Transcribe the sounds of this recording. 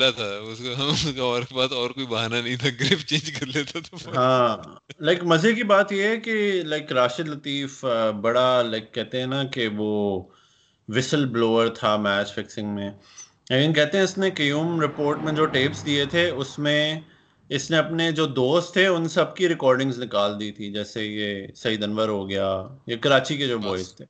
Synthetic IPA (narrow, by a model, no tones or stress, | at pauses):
lat̪ʰaʊskaɦʊskaɔːɾkbaːt̪ɔːɾkoːibɐɦaːnanɐɦĩt̪ʰaɡɾeːft͡ʃẽːnd͡ʒkɐɾlet̪ʰat̪ʰoɦãː | laɪkmɐzekibaːt̪jeɦɛkelaɪkɾaːʃɪd̪lɐt̪iːfbɐɽalaɪkːɛɦt̪eɦɛ̃nakeʋoː | ʋɪsəlbloːəɾt̪ʰamɛːt͡ʃfɪksɪ̃ŋɡmẽ | leːkɪnkɛɦt̪ẽɦɛ̃ɪsnekɐjuːmɾɪpoːɾʈmẽd͡ʒoːʈeːpsd̪iet̪ʰeʊsmẽ | ɪsnẽɐpned͡ʒoːd̪oːst̪ʰːeʊnsɐb̚kiɾɪkɔːɾɖɪ̃ŋznɪkaːld̪iːt̪ʰid͡ʒɛːsejesɐɦid̪ɐnʋəɾɦoɡɐjaːjakɐɾaːt͡ʃiked͡ʒoːbɔːɪst̪ʰeː